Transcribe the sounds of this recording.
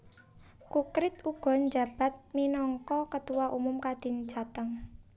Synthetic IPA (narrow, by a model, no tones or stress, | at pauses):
kukɾɪt̪uɡ̥ɔ̤nd͡ʒa̤b̥a̤t̪̚minɔŋkɔkət̪uwaʔumʊmkad̪̥i̤nd͡ʒat̪əŋ